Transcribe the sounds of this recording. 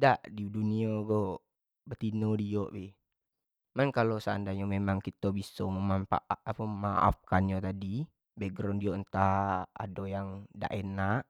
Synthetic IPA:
daʔdidunioɡo | bət̪inodijoʔbɪh | mankalosaandaɲomemaŋkit̪obisoməmampa̰ʔapəməmaʔa̰fkanjot̪adi | beɡɾɔndioʔənt̪aa̰dojaŋda̰ʔenaʔ

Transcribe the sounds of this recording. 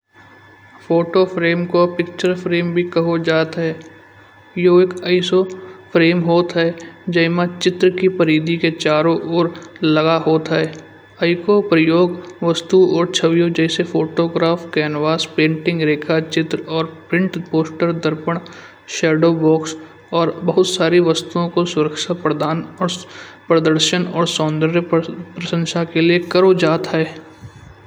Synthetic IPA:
fʰoːʈopʰɾeːmkopɪk̚t͡ʃəɾpʰɾeːmbʱikɐɦod͡ʒaːt̪ɦɛ | joːekəɪsopʰɾeːmɦoːt̪ɦɛd͡ʒəɪmãt͡ʃɪt̪ɾəkipəɾiːd̪iket͡ʃaːɾõʔoːɾləɡaɦoːt̪ɦɛː | əɪkopɾəjoːɡʋɐst̪uɔːɾt͡ʃʰɐʋijõd͡ʒɛːsefoːʈoːɡɾaːfkɛːnʋaːspẽːɳʈɪ̃ŋɡɾeːkʰat͡ʃɪt̪ɾɔːɾpɾɪ̃ɳʈpoːsʈəɾd̪əɾpəɽ̃ | ʃɛːɖobɔːks | ɔːɾbɐɦʊt̪saːɾiʋɐst̪uõkosʊɾəkʃapɾəd̪aːnɔːɾpɾəd̪əɾʃənɔːɾsɔːnd̪əɾjəpɾɐʃə̃nʃakeliekɐɾod͡ʒaːt̪ɦɛː

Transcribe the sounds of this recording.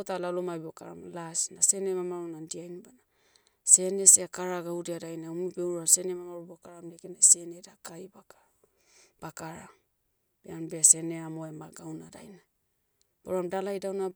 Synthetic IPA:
otalalomabiokaɾa̰mlasnase̞nemamaɾunandiajnbana | se̞ne̞seakaɾaɡaudiadajnaumibewɾase̞nemamaɾubiokaɾamdiakenase̞nedakajbakḁ | b̥akaɾam | b̥eanbease̞neamoemaɡawnada̰jna | boɾamdalajdawna

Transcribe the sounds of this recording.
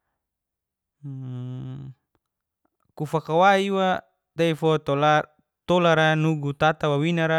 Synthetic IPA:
kufakawaiwa | t̪aifɔt̪la | t̪olaɾanuɡut̪at̪awawinaɾa

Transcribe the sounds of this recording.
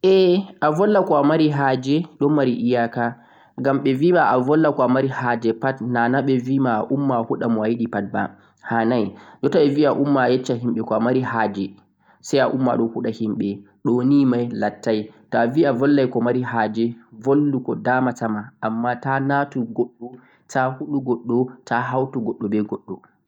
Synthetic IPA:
ʔɛʔavɔlːakɔamaɾiɦaːd͡ʒɛɗɔmaɾiʔijaka | ɡamɓɛvimaʔavɔlːakɔamaɾihaːd͡ʒɛpatnanaɓɛvimaaʔumːahuɗamɔajiɗipat̚ba̰ | hanajd͡ʒɔtaɓɛviaʔumːajɛt͡ʃːaɦimɓɛkɔamaɾihaːd͡ʒɛ | sajaʔumːa̰ɗɔhuɗahimɓɛ | ɗonimajlatːajtɔaviavɔlːajkɔmaɾiɦad͡ʒɛvolːukɔdamatamaamːatanatuɡɔɗːɔ | tʰahuɗuɡɔɗːɔtʰaɦawtuɡɔɗːɔbɛɡɔɗːɔ

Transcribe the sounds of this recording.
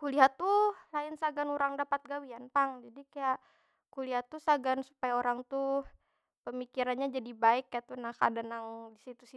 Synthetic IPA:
kuliat̪ulaɪnsaɡanuɾaŋdapat̪̚ɡawianpaŋd͡ʒadikajaʔ | kuliat̪usaɡansu̥pajaoɾaŋt̪u | pəmikiɾanɲad͡ʒadibaɪkːajat̪unaka̰danaŋdisit̪usi

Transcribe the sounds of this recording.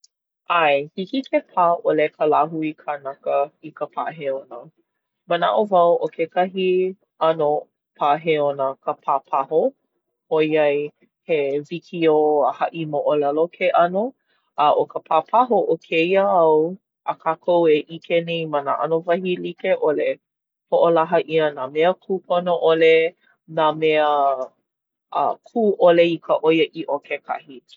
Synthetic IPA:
ʔajhikikʰepʰaːʔolekʰəlaɦuikʰanakəikəpʰaʔɦeonə | məna̰ʔovɐwokekɐɦi | ɐno | pʰaɦeonəkʰəpʰaːpʰaɦo | hojɐj | hevikʰioəhɐʔimoʔolalokʰeʔɐno | əʔokəpʰapʰaɦoʔokʰejəɐw | əkʰaːkʰoweʔikʰenejmana̰ʔa̰novɐhilikeʔole | poʔolaɦəʔiənameəkʰuːpʰonoʔole | nameə | kʰuːʔoleikʰəʔojəʔiʔokʰekʰa̰hi

